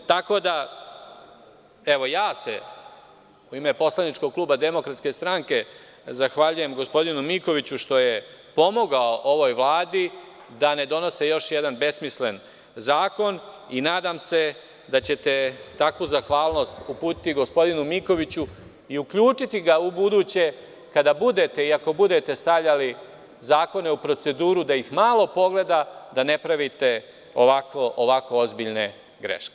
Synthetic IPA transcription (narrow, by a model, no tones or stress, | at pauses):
t̪ako̞d̪a | e̞ʋo̞jaːsḛ | uime̞po̞slˠanit͡ʃko̞ɡ̚klˠuːbad̪e̞mo̞kɾat̪ske̞st̪ɾaŋke̞ | zaxʋaʎuje̞mɡospo̞d̪inumiko̞ʋit͡ɕuʃt̪o̞jepo̞mo̞ɡaoʔoʋo̞jʋlˠaːd̪i | d̪ane̞d̪o̞no̞sejo̞ʃjed̪anbe̞smisle̞n | zaːko̞ninaːd̪amse̞ | d̪at͡ɕe̞t̪e̞t̪akʋuzaxʋaːlˠno̞ːst̪upuːt̪i̥t̪iɡo̞spo̞d̪inumiko̞ʋit͡ɕu | iukʎuːt͡ʂit̪iɡaubud̪uːt͡ɕe̞ | kad̪abud̪e̞t̪e̞iako̞bud̪e̞t̪e̞st̪aʋʎali | zaːko̞ne̞upɾo̞t̪se̞d̪uːɾud̪ajixmaːlˠo̞po̞ɡle̞d̪ad̪ane̞pɾaʋit̪e̞ | oʋakoʔoʋako̞ozbiʎne̞ | ɡɾḛʃke